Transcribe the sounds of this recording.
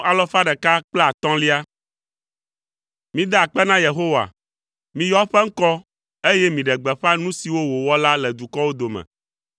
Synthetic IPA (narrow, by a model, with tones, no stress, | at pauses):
a˨lɔ˦fa˦ɖɛ˨ka˦k͡plɛ˦a˨t̪ɔ̃˦li˦a˦ | mĩ˦d̪a˦a˨k͡pɛ˦nã˦je˨ɦo˦wa̰˨ | mĩ˨jɔ˦ɸɛ˦ŋ̩˦kɔ˦ | e˦jɛ˦mĩ˨ɖɛ˨ɡ͡bɛ˨ɸa˦nũ˦si˨wo˦wo˨wɔ˦la˦lɛ˨d̪u˨kɔ˦wo˦d̪o˨mɛ̰̃˨